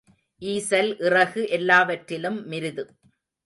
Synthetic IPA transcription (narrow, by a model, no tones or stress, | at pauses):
ʔiːsɐlʔɪrɐɣɯʔɛlːaːʋɐʈrɪlɯmːɪɾɯðɯ